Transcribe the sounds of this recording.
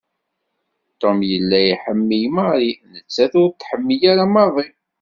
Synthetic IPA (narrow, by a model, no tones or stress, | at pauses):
t̪ːomjəlːæjiħəmːijəməʁɾinət͡sːæðʊɾt̪ːħəmːijaɾamɑðˤi